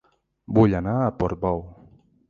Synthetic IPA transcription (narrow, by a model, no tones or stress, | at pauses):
buʎanapɔɾbɔw